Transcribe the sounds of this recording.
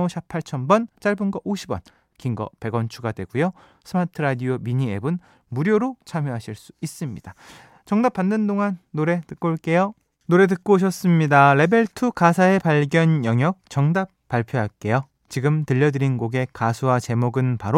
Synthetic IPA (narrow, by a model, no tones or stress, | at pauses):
oɕʰapʰaɭt͡ɕʰʌnbʌnt͡ɕ͈aɭbunɡʌʔoɕʰibʌ̰n | kiŋɡʌ̰pe̞ɡʌnt͡ɕʰuɡadwe̞ɡujo | sʰɯmatʰɯɾadiomiɲie̞bun | muɾjoɾot͡ɕʰamjoɦaɕʰiɭs͈u̥is͈ɯmɲid̥a | t͡ɕʌŋdap͈ːanːɯndoŋanːoɾe̞tɯk̚k͈oɭk͈e̞jo | noɾe̞tɯk̚k͈oɕʰʌs͈ɯmɲidaɾe̞be̞ɭtʰukasʰae̞paɭɡjʌnjʌŋjʌk̚t͡ɕʌŋdap̚p͈ːaɭpʰjoɦaɭk͈e̞jo | t͡ɕiɡɯmtɯʎːʌdɯɾinɡoɡe̞kasʰuwat͡ɕe̞moɡɯnpaɾo